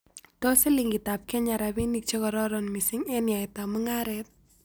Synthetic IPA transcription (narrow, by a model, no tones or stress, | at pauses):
tɔseliŋɡɪtap̚kɛɲaɾabinik̚t͡ʃekɔɾɔɾɔnmisɪŋɛnjaɪtaməŋaɾɛt̪̚